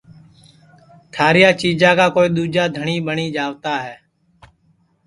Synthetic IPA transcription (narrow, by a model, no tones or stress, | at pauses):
t̪ʰaːɾɪjaːt͡ʃiːd͡ʒãːkaːkoːiːɗ̪uːd͡ʒaːd̪ʱəɳiːɓəɳiːd͡ʒaːʋt̪aːɦɛː